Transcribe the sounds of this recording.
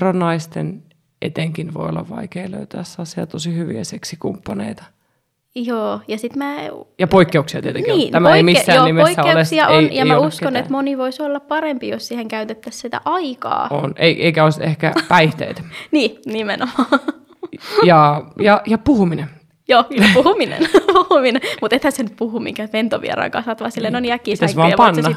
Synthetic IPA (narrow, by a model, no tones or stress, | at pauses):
rɑnːɑist̪en | ʔet̪eŋkinʋo̰io̰lːɑ̰ʋʋɑ̰ikeːlø̰yt̪æːsːɑːssieælt̪osihyʋḭæ̰seksikumpːɑnḛit̪ɑ̥ | joːjɑsit̪mæːjɑpoikːeuksiɑt̪iet̪enkiːt̪æmæemisːæonːnimesiːæoeulessiɑʔeijɑiæouskːonet̪moniʋoisolːɑppɑɾempijossiːheŋkæyt̪et̪ːæssit̪æ̰ʔɑikɑ̰ːo̰neiʔeikæoisehkæpæiht̪ḛit̪niːnimenomɑː | jɑjɑjɑpuhumine | joːklːpuhuminḛnpuhuminemut̪et̪hæsenyt̪̚puhumḭŋkæʋent̪oʋḭḛɾɑ̰iŋkɑsʋɑt̪ʋɑːsilːenoniækːiːist̪æsʋɑːɑpɑnsːɑ